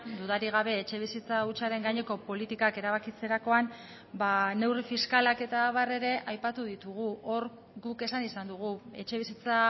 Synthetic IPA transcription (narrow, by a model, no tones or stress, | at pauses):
d̪uðaɾiɣ̞aβ̞e̞ːt͡ʃe̞βisit͡saut͡ʃaɾe̞ŋɡaɲe̞ko̞po̞lit̪ikake̞ɾaβakit͡se̞ɾako̞an | bane̞wrifiskalake̞t̪aβare̞ɾe̞ʔajpat̪uðit̪uɣ̞uʔo̞ɾ | ɡuke̞sanisand̪uɣ̞ue̞t͡ʃe̞βisit͡sa